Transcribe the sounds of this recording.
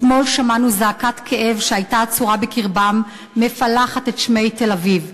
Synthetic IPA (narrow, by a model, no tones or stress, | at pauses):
mo̞lʃamanuzaːkatkʰeʔe̞vʃeajtat͡suʁabekiʁbamː | e̞falaχatetʃme̞jte̞laviv